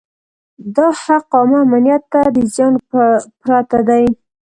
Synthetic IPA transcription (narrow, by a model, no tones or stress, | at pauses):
d̪ɑhaqɑmaːmanjat̪ːad̪əzjɑnpɾat̪ad̪aj